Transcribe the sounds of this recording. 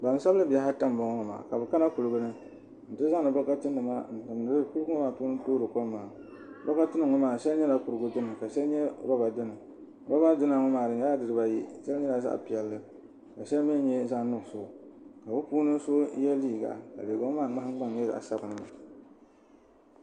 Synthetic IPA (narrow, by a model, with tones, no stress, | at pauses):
ba˨n˨sa˦blɨ˦bi˨ja˦ɦa˦ta˦m˨bɔ˨ŋɔ˦ma̰ː˨ka˨bɨ˨ka˦na˦ku˨lɨ˨ɡʊ˦nɨ˦ | n̩˨tɨ˦za˦ŋ˨nɨ˨bɔ˦ka˦tɨ˦nːɨ˨ma˦n̩˨tɨ˨mn˨ɨ˦ku˦ʊ˦ŋɔ˦maː˨puː˦nɨ˦toː˦ɾɨ˨ko˦mːaː˨ | bɔ˦ka˦tɨ˦nɨ˨ŋɔ˦maː˨ʃɛ˦lɲɛ˦la˨kʊ˨ɾɨ˨ɡʊ˦dɨ˦nɨ˨ka˨ʃɛ˦lɲɛ˦ɾɔ˦ba˨dɨ˦nɨ˨ | ɾɔ˦ba˦dɨ˦na˨ŋɔ˦maː˨ɾɨ˨n˦a˦dɨ˨ɾɨ˨ba˨ji˦ʃɛ˦lɲɛ˦la˨za̰˦ʔpi˨ɛ˨lːɨ˦ | ka˨ʃɛ˦lmi˦ɲɛ˦za˦nʊ˦˨so˨ka˨bʊ˦puː˦nɨ˦so˦jɛ˦liː˦˨ɡa̰˨ka̰˨be˨ɡo˦ŋ˦maː˦˨ŋ͡ma˦hŋ͡mɡ͡ba˦ŋ˨jɛ˦˨ʔa̰˨sa˦bɨ˨nɨ˨ma˨